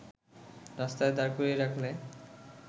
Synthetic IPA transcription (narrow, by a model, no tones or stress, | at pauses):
ɾast̪aed̪aɾkoɾeɾakʰle